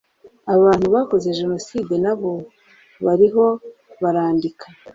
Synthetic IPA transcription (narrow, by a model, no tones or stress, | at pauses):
aββaːn̥huβako̞ze̞ʒe̞no̞siːdenaβo̞ | βaɾiɦo̞ | βaɾaːndikʰḁ